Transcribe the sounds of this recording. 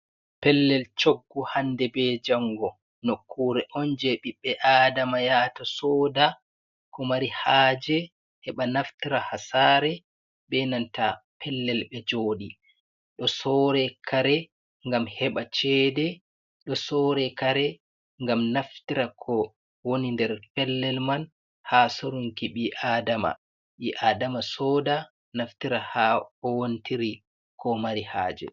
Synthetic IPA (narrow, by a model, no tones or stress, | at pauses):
pɛlːɛlt͡ʃoɡːuhandɛbɛd͡ʒaŋɡɔ | nokʰːuɾɛʔɔnd͡ʒɛɓiɓːɛʔaːdamajatasɔːda | kʰɔmaɾihaːd͡ʒɛ | hɛɓanaftiɾahasaːɾɛ | ɓɛnantapʰɛlːɛlɓɛd͡ʒoːɗi | ɗɔsɔɾɛkʰaɾɛ | ŋɡamhɛɓat͡ʃɛdɛ | ɗɔsɔɾɛkaɾɛ | ŋɡamnaftiɾakʰɔ | wonindɛɾpɛlːɛlman | hasoɾuŋkiɓiʔaːdama̰ | ɓiʔaːdamasɔːda | naftiɾahaɔwontiɾi | kʰɔmaɾiha̰ːd͡ʒɛ̰